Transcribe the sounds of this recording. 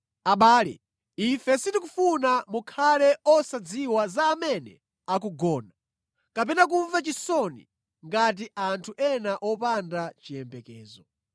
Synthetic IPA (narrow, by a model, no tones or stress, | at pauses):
aɓaːlɛ̰ | ifɛsitik̬ufunamukʰalɛʔɔsad͡ziwazaːmɛnɛ̰ | ak̬uɡɔːna | kap̬ɛnak̬uɱvat͡ʃisɔnḭ | ŋɡat̬iʔantʰuʔɛnaʔɔpandat͡ʃijɛmbɛkɛːzɔ